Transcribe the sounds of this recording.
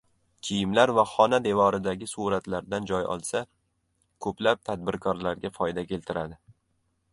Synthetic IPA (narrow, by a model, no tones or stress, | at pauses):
kʲʰijɪmlaɾvaχɒnad̪e̞vɒɾɪd̪aɡʲɪsuɾat̪laɾd̪and͡ʒɒjɒ̰lˠsa | kʰɵplap̚t̪ʰad̪̚bɪɾkʰɒɾlaɾɡʲafɒjd̪akʲʰe̞lt̪ʰɪɾad̪ɪ